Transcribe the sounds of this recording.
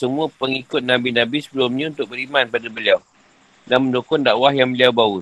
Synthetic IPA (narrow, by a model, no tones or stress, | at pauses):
səmũapəŋikʊt̪̚nãbinãbisəbəlʊmɲãunt̪ʊk̚bəɾimãnpadabəliaw | danmə̃ndukʊndaʔwahjaŋbəliawbau